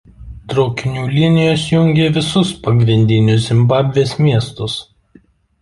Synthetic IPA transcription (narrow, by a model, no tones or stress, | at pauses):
t̪ɾɔʊkʲɪnʲuːlʲɪnʲɪjoːsjʊŋʲɡʲeːʋʲɪsʊspɐɡɾʲɪnʲd̪ʲɪnʲʊsʲzʲɪmbɑːbʲʋʲeːsmʲiɛst̪ʊs